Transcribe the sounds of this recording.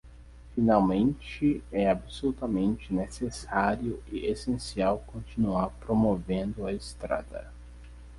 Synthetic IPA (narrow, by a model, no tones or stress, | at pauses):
finawmẽnt͡ʃɪɛabsolut̪ɐmẽnt͡ʃɪnesesaɾiʊɪesẽsiawkõnt͡ʃinuaɾpɾomovẽnd̪ʊɐɪst̪ɾa̰d̪ɐ̰